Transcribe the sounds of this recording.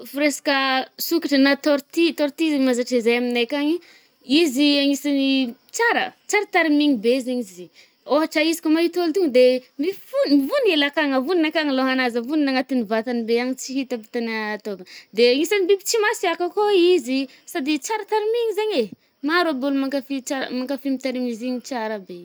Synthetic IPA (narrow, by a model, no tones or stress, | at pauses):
fuɾesḁkəsukiʈ͡ʂənat̪oɾt̪it̪oɾt̪izamazaʈ͡ʂizajaminajkaŋi | iziaŋisanit͡saɾə̰t͡saɾət̪aɾimiŋibezeɲizi | oɦaʈ͡ʂaizi̥komait̪olt̪uŋd̪emifunmivunielakaŋəvuninakaŋiloɦanazəvuninaŋat̪inivat̪anibeaɲit͡siɦit̪apit̪anat̪okəd̪eaŋisanibipit͡simasiakakoizi | sad̪it͡saɾət̪aɾimiɲizaɲe | maɾobulumaŋkafit͡saɾ̰maŋkafimit̪aɾimiziɲit͡ʃaɾəbe